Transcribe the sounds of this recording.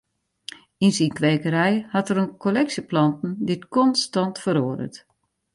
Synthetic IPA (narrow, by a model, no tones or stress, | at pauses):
insinkʋeːkəɾɛjhatəɾənkolɛksəplɑntn̩dɪtkɔnstɑntfəɾoːəɾə̰t